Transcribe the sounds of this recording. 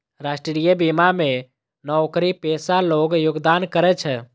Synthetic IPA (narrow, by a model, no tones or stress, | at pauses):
ɾasʈɾɾijəbimame | nɔokɾipɛsaloɡjʊɡd̪ankəɾɛt͡ʃʰɛ